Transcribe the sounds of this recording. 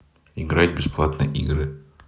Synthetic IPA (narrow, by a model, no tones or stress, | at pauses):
ɪɡɾat̪̚ʲbʲɪsplˠat̪nə̰jʔiɡɾɘ